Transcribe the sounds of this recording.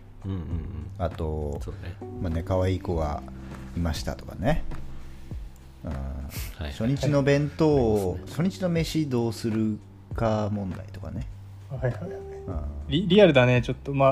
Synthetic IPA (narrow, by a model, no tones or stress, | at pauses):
ɯ̃at̪o̞soemane̞kaβaiːko̞ɡa̰imaɕi̥t̪a̰t̪okane̞ | ɯ̰̃ːɕo̞ɲ̟it͡ɕino̞bẽ̞nt̪o̞ːɕoɲ̟it͡ɕino̞me̞ɕid̪o̞ːsɨɾɯ̟ | kamõ̞nd̪a̰it̪o̞ka̰ne̞ | hajhaaɯ̃ːɾʲiɾʲiaɾɯ̟d̪anet͡ɕot̪ːoma